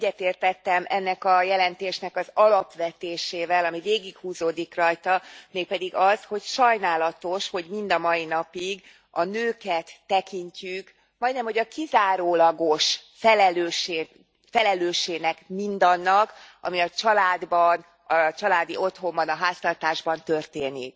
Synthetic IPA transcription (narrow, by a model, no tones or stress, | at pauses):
ɛɟːɛt̪eːrt̪ɛt̪ːɛmʔɛnːɛkɒjɛlɛnt̪eːʃnɛkɒzɒlɒpʋɛt̪eːʃeːvɛlɒmiveːɡikhuːzoːd̪ikrɒjt̪ɒmeːk̚pɛd̪iɡɒzho̞cʃɒjnaːlɒt̪o̞ʃho̞ɟmind̪ɒmɒinɒpiɡ | ɒnøːkɛt̪ːɛkiɲcyk | mɒjd̪nɛmho̞ɟɒkizaːɾoːlɒɡo̞ʃfɛlɛløːʃeː | fɛlɛløːʃeːɡnɛkmind̪ɒnːɒkɒ̰miɒt͡ʃɒlaːd̪bɒn | ɒt͡ʃɒlaːd̪io̞t̪ho̞mbɒnɒɦaːst̪ɒrt̪aːʒbɒnt̪ø̞rt̪eːnik